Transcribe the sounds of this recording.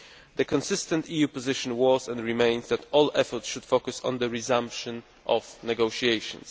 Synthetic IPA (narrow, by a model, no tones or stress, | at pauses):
d̪əkɔ̃nsɪst̪ɛ̃nt̪ijupɔzɪʃɔ̃nwɔzɛ̃nɹimẽɪ̃nzd̪ætɔlɛfɔɹt̪sʃud̪̥fokusɔ̰̃nd̪əɹizãmpʃɔ̃n | ʔɔvnɛɡoʃiejʃɔ̰̃ns